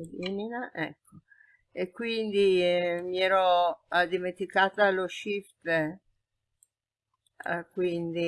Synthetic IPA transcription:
liminaʔɛ̰kːo | ekːwind̪imiɛːɾod̪iment̪ikaːt̪aloʃift̪e | kwind̪i

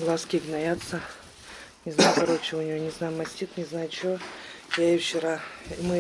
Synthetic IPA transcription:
lˠaskʲiɡnajat̪sə | nʲɪznajʊkaɾot͡ɕɪʊnʲɪjonʲɪznajʊmɐsʲtʲit̪nʲɪznajʊt͡ɕojaift͡ʃɪɾaimɨ

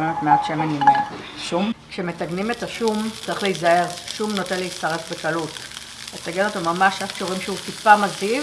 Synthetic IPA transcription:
memetmeadʃemenim | ʃumkʃe̞me̞taɡnimetaʃumt͡saʁiχlejizae̞ʁʃumno̞tenleistaʁe̞fbekalut | ataɡenot̪omamaʃafkʃuʁimʃutipamaziv

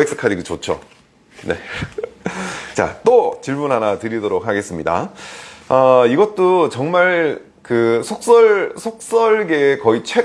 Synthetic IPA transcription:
eks͈ʰɯ̥kʰadiɡut͡ɕot͡ɕʰo̰ | ne̞̰ | t͡ɕa̰t͈ot͡ɕiɭmunɦanatɯɾidoɾok̚haɡe̞s͈ɯmɲida̰ | ʌiɡʌt̚t͈ot͡ɕʌŋmaɭ | kɯsʰok̚s͈ʌɭsʰok̚s͈ʌɭɡe̞kʌit͡ɕʰwe̞

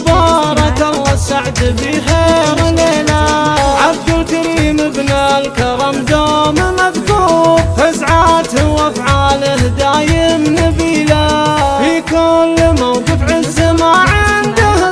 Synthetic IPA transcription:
bɑːɾˤɑkɑlˤːɑsaʕd̪bixeːɾleːlaʕabd̪ɪlk̪aɾiːməbnalkɑɾˤɑmd̪oːmmaðɡufazʕat̪hwafʕaːlhd̪aːjɪmnɪbiːlafikʊlːmawɡɪbʕɪzːmaʕɪnd̪a

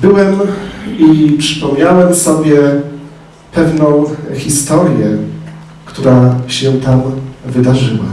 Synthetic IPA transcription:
bɘwɛmipʂɘ̥pɔmɲawɛmsɔbʲjɛ | pɛvnɔ̃w̃xʲist̪ɔɾjɛ | kt̪uɾaɕɛt̪amvɘd̪aʐɘwa̰

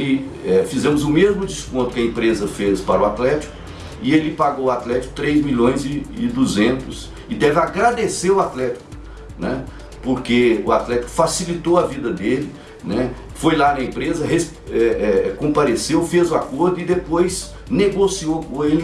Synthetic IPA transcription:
lɪɛfizẽmʊzʊmezmʊd͡ʒiskõnt̪ʊ̥kɪɐẽpɾezɐfespaɾʊat̪lɛt͡ʃi̥kʊ | ɪelɪpaɡowat̪lɛt͡ʃi̥kʊ̥t̪ɾejzmiʎõj̃zɪːd̪uzẽnt̪ʊs | ɪd̪ɛvɪaɡɾad̪eseɾʊat̪lɛt͡ʃi̥kʊ | nɛ | poɾkeʊat̪lɛt͡ʃi̥kʊ̥fasilit̪owɐvid̪ɐd̪elɪ | nɛ | fojlanɐẽmpɾezɐhes | ɛɛkõpaɾesewfezʊakoɾd̪ʊɪd̪epojz | neɡosioelɪ

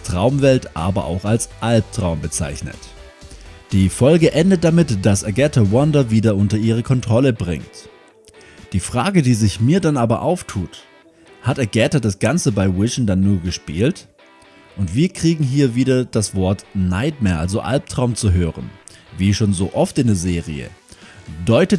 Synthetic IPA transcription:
tʁ̥aʊmvɛltʔa̰ːbɐ̰ʔa̰ʊxalsʔalp̚tʁ̥aʊmbət͡sa̰ɪçnə̰t | d̥iːfɔlɡəʔɛndət̚d̥amɪtd̥asaɡɛtɐwɔndɐviːdɐʔʊntɐiːʁ̞əkʰɔntʁ̥ɔləbʁɪ̰ŋt | d̥iːfʁ̥aːɡədiːzɪçmiːɐdanʔaːbɐ̰ʔaʊftʰuːt | hataɡɛtɐdasɡ̥ant͡səbaɪwɪʃn̩danːuːɐɡəʃpiːlt | ʔʊntv̥iːɐkʁ̥iːɡŋ̩ɦiːɐviːdɐd̥asv̥ɔɐtnaɪtmɛnʔa̰lzoʔa̰lp̚tʁ̥aʊmt͡suɦøːʁənviːʃoːnzo̰ːʔɔftɪndeːɐzeːʁiə̰ | d̥ɔʏtə

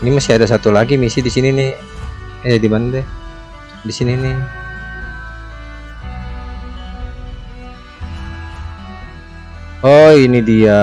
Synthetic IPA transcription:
nimasiadasat̪ulaɡimisidisinini | ɛdimanadɛ | disinini | ɔinidia

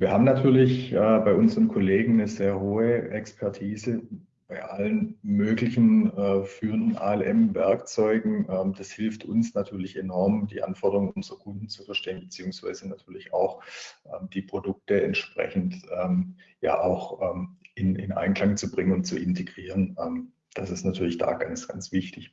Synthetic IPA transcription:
viːɐɦaːbmnatʰyːɐlɪçʔɛːbaɪʔʊnzəʁənkʰoleːɡŋ̩nəzeːɐɦoːəʔɛkspʰɛɐtʰiːzə | b̥aɪʔalənmøːklɪçn̩ɛfyːʁəndn̩ʔa̰ːɛlʔɛmvɛɐkt͡sɔʏɡŋ̩ʔɛːmd̥ashɪlftʰʊnsnatʰyːɐlɪçenɔɐmdiːʔa̰nfɔɐdəʁʊŋʊnzəʁɐkʰʊnd̥n̩t͡sufɛɐʃteːənbət͡siːʊŋsv̥a̰ɪzənatʰyːɐlɪçaʊxʔɛːmd̥iːpʁ̥odʊk̚təɛntʃpʁ̥ɛ̰çn̩tʔɛːmja̰ːʔaʊxʔɛːmʔɪnɪ̰nʔa̰ɪnkʰl̥aŋt͡subʁɪŋənʊntt͡suɪntʰeɡʁiːʁənɛːm | d̥asɪstnatʰyːɐlɪçd̥a̰ːɡ̥ansɡ̥a̰nt͡sv̥ɪçtɪç

